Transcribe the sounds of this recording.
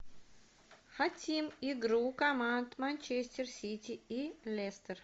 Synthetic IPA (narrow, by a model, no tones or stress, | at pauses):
xat̪ʲimiɡɾukɐmant̪manʲt͡ɕesʲt̪ʲɪrsʲitʲɪilʲest̪ər